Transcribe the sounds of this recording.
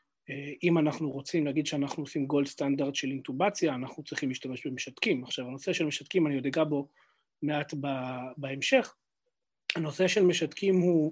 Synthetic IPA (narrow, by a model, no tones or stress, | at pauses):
eimanaχnuʁo̞t͡simleaɡid̪ʃeanaχnuosimɡo̞lst̪and̪aʁd̪ʃe̞lint̪ubat͡sjaːnaχnut͡sʁiχimliʃtame̞ʃbe̞meʃat̪kimaχʃavano̞seʃelme̞ʃat̪kimaniod̪eɡabo̞ | meat̪babaemʃe̞χ | hano̞seʃelmeʃat̪kimhu